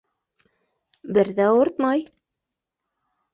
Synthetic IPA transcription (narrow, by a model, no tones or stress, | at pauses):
bɘ̆ɾðæoɾt̪mɑj